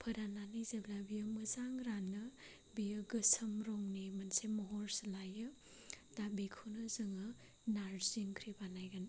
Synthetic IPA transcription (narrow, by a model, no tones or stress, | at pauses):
pʰəɾananizɐblabijɐməzaŋɾanːɯ | bijɯɡɐsɐmɾɔŋnimɐnsemɔɦɔɾsɐlajɯ | dabikʰunɯzɯŋɐ | naɾziŋkʰɾibanajɡan